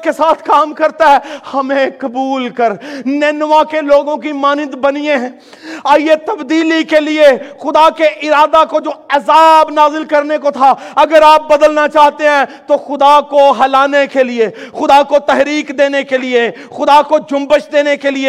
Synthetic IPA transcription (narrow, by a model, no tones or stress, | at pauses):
kesaːt̪ʰkaːmkɐɾt̪aɦɛhɐmẽkɐbuːlkəɾnɛːnʋãkeloːɡõkimaːnɪd̪bɐniẽɦɛ̃ː | aːjet̪ɐbd̪iːlikeliexʊd̪akeʔɪɾaːd̪akod͡ʒoːɐzaːbnaːzɪlkɐɾnekot̪ʰaɐɡəɾaːp̚bɐd̪əlnat͡ʃaːɦt̪eɦɛ̃ːt̪oxʊd̪akoɦɐlaːnekelɪexʊd̪akot̪ɛɦɾiːkd̪eːnekelɪe | xʊd̪akod͡ʒʊ̃mbəʃd̪eːnekelɪe